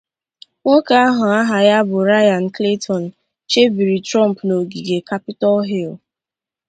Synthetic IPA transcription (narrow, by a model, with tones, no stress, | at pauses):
ŋʷo˦ka˦a˦ɦʊ˨a˦ɦa˨ja˦bʊ˨ɾa˦ja˨n̩˨kle˦tʰɔ˨n̩˨ | t͡ʃe˦bi˨ɾi˨tɾɔ˦˨m̩˨pno˨ɡi˨ɡe˨ka˦pɪ˦tɔ˦lɦi˦˨l